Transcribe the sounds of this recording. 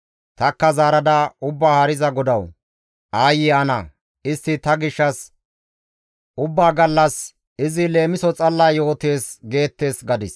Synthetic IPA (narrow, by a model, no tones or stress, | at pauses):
t̪ɐkːɐzaːɾɐd̪ɐʊbːaːhɐɾɪzɐɡɔd̪ɐw | aːjɪɐnɐ | ɪst̪ːɪt̪ɐɡɪʃːɐs | ʊbːaːɡɐlːɐs | ɪzɪle̞ːmɪsɔt͡sʼɐlːɐːjo̞ːt̪e̞ːsɡe̞ːt̪ːe̞ːsɡɐd̪ɪs